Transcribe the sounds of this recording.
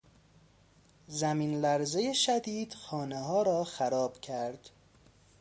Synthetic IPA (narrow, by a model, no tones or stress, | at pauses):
zæmiːnlæɾzejeʃæd̪iːd̪̥xɒːneɦɒːɾɒːxæɾɒːb̥cʰæɾd̪̥